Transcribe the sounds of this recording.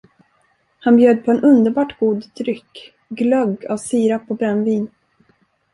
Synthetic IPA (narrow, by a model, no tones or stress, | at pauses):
hanbjøːd̪̚pʰɔɛnɵnd̪əɾbɑːʈɡ̥uːd̪d̪ɾʏkː | ɡlœɡa̰vsiːɾapʰɔbɾɛnːviːn